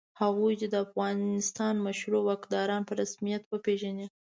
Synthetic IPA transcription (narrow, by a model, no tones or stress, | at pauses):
haɣujd̪ed̪əafɣɑnɪst̪ɑnmaʃɾowakd̪ɑɾɑnpəɾasmijat̪wəpeʒani